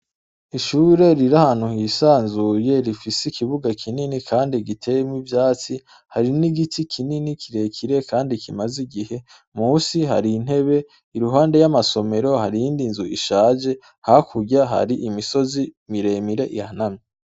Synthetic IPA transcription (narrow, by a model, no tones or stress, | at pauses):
iʃuːɾe̞ɾiɾahaːn̥uhisaːnzuje̞ɾifiseikiβuɡakʰininikʰaːndiɡitʰe̞jemwivjaːt͡si | haɾiniɡitʰikʰininikʰiɾe̞kʰiɾe̞kʰaːndikʰimaziɡihe̞ | muːsiɦa̰ɾin̥he̞βe̞ | iɾuɦaːndejamaso̞me̞ɾo̞haɾijiːndinzuʔḭʃaːd͡ʒe̞ | hakʰuɟaɦa̰ɾiʔimiso̞zimiɾe̞miɾe̞ʔihhanami